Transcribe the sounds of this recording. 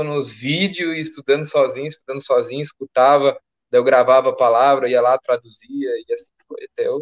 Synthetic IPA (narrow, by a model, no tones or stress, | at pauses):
nʊvid͡ʒjʊɪst̪ud̪ɐ̃nd̪ʊsɔzĩɲʊist̪ud̪ɐ̃nd̪ʊsɔzĩɲʊiskut̪avɐ̃ | d̪ɐewɡɾavavɐpalavɾɐiɐlat̪ɾad̪uziɐiɐsĩ̥foet̪e